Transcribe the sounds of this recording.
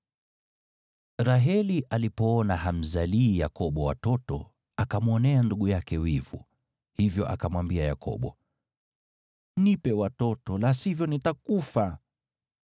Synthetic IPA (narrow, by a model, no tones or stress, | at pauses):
ɾaɦɛliʔalipɔɔnaham̩zaliːjakɔɓɔwa̰tɔtɔ̰ | akamuɔnɛanduɠujakɛwivṵ | hivjɔʔakamwambiaja̰kʰɔ̰ɓɔ | nipɛwatɔtɔlasivjɔnitakufa